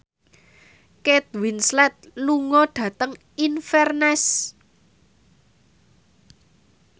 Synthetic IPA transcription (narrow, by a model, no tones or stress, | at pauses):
ket̪̚winslɛt̪̚luŋɔɖ̥ä̤t̪əŋ | infɛrnɛs